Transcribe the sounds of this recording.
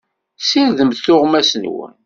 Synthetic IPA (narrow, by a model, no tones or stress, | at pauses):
siɾðəmθθʊʁmæsənwə̰n